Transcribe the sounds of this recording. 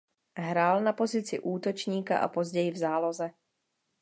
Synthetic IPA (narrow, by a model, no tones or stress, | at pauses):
ɦɾaːlnapo̞zɪt͡sɪ̰ʔuːt̪o̞t͡ʃɲiːka̰ʔa̰po̞zɟɛjɪvzaːlo̞zɛ